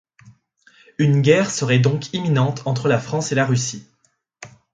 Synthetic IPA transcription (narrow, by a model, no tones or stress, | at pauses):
ynɡʲɛʁsəʁɛd̪ɔ̃kʰiminɑ̃t̪ʰɑ̃t̪χəlafχɑ̃selaʁysi